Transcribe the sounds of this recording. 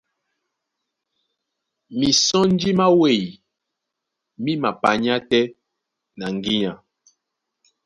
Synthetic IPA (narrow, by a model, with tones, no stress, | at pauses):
mi˨sɔ̃˦n˦d͡ʒi˦ma˦we˨j | mi˦ma˨pa˨ɲ˦a˦tɛ˦ | na˨ŋ˨ɡi˦ɲa˨